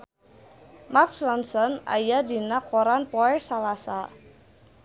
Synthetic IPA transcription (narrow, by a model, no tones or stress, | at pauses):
maksɔnsɔna̰jadi̤nakoɾanpɔɛsalasa̰